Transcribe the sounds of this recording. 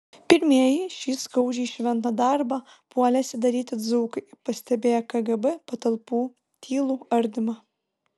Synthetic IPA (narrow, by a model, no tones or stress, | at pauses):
pʲɪɾʲmʲiɛjiʃʲiːskɐʊd͡ʒʲiːʃʲʋʲɛnt̪ɐd̪ɑˑɾbɐ | puɔlʲɛsʲɪd̪ɐɾʲiːt̪ʲɪd̪zuːkɐɪpɐsʲt̪ʲɛbʲeːjɛkɐɡɛbɛpɐt̪ɐlˠpuː | t̪ʲʰiːlˠuːɐɾʲd̪ʲɪmɐ